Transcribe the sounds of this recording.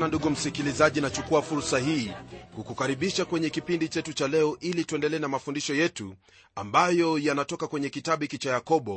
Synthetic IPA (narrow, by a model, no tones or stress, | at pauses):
nanduɡum̩sikilizaʄinat͡ʃukuafuɾsaɦiːkukukaɾiɓiʃakwɛɲɛkipindit͡ʃɛtut͡ʃalɛɔʔilituɛndɛlɛːnamafundiʃɔjɛtṵ | ambajɔjanatɔkakwɛɲɛkitaɓikit͡ʃajakɔɓɔ